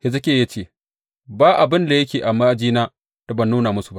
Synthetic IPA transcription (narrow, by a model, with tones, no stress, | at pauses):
hɪ˨zɐ˦kʲeː˦ja˦t͡ʃeː˦˨ | baː˦ʔa˨bɪ˦nda˨jɐ˦kʲeː˨ʔa˨maː˦d͡ʒiː˦naː˦ | ta˨bɐ˨nːuː˦naː˨mʊ˦su˨ba˦